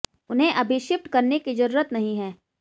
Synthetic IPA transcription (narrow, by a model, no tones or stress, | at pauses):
ʊnɦẽʔɐbʱɪʃɪp̚ʈkɐɾnekid͡ʒɐɾuːɾət̪nɐɦĩɦɛː